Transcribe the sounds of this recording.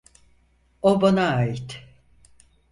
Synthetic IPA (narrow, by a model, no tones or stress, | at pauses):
obanaaːjit̪